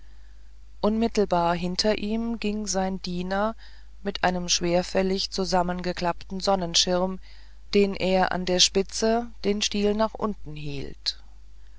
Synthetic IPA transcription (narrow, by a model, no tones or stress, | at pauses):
ʔʊnmɪtl̩baːɐɦɪntʰɐʔiːmɡɪŋzaɪndiːnɐ | mɪtʔaɪnəmʃv̥eːɐfɛlɪçt͡suzamənɡəkl̥aptn̩zɔnənʃɪʁm | d̥eːnʔeːɐʔa̰ndeːɐʃpɪt͡səd̥eːnʃtiːlnaːχʔʊ̰ntn̩ɦḭːlt